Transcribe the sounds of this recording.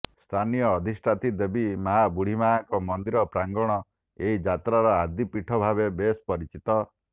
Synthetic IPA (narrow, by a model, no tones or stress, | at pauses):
st̪ʰanijɔːd̪ʱisʈʰat̪id̪ebimaɦabuɽ̤imaaŋkɔmɔnd̪iɾɔpɾaŋɡɔɽ̃ɔ | eid͡ʒat̪ɾaɾɔad̪ipiʈʰɔbʱaβebespɔɾit͡ʃit̪ɔ